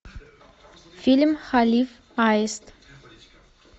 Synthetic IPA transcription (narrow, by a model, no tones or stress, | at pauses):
filʲmχalif | ajst̪